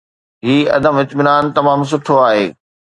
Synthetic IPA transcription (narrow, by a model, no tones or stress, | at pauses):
ɦiːɐ̰d̪əmɪt̪mɪnaːnt̪ɐmaːms̬ʊʈʰoaːɦeː